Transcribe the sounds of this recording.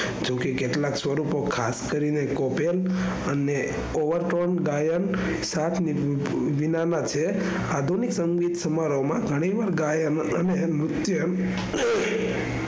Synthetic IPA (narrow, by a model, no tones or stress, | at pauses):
d͡ʒokekeʈlãksʋəɾupokʰaskəɾinekopel | əne | oʋəɾʈonɡajən | sat̪ʰni | ʋinanat͡ʃʰe | ad̪ʱuniksəŋɡit̪səmaɾomãɡʱəɽ̃iʋaɾɡajən | ənemɾʊt̪jən